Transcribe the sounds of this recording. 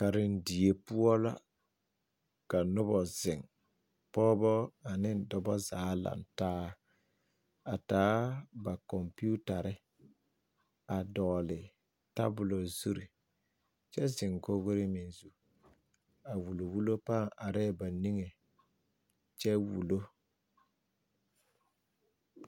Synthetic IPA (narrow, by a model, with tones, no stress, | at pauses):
ka˨ɾɪ˨n˦di˨e˨pʊ˦ɔ˦la̰˦ | ka˨nʊ˦bɔ˨zɪ˨ŋ | pɔː˦bɔ˦a˨nɪ˦dɔ˨bɔ˦zaː˨˦la̰˨ntaː˦ | a˨taː˨˦ba˨kɔ˨mpi˦u˦ta˨ɾɪ˦ | a˨dɔ˨lɪ˨ | ta̰˦bʊ˨lo˨zu˦ɾi˨ | t͡ʃɛ˦zɪ˨ŋko˦ɡo˦ɾɪ˦mɪ˨nzu˦ | a˨wu˨lo˨wu˦lo˦pa˦˨ŋa˨ɾɛː˦˨ba˨ni˦ŋe˨ | t͡ʃɛ˦wṵ˨lo˦